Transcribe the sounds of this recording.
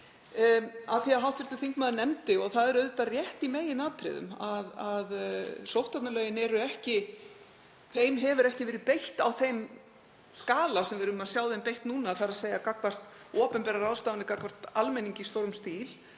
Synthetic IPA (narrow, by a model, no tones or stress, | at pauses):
aðθiaðɦawht̪vɛɾ̥t̪ʏθiŋkmaːðnɛmt̪ɪɔɣθaðɛɾœɥðʏt̪arjɛht̪imeːjɪnaːt̪ɾɪ̰ðʏ̰maðaðsowht̪at̪nalœːɥjɪnɛɾʏɛhcɪ | θejmɦɛvʏɾɛhcɪvɛːɾɪpejht̪awθejm | skaːlasɛmvɪɾʏʏmaðsjawðempejht̪nuːnaθaɾaðseːjakakvar̥t̪ | ɔːpɛmpɛɾaɾawðst̪aːvanɪkakvar̥t̪almɛniɲcɪist̪owɾʏmst̪iːl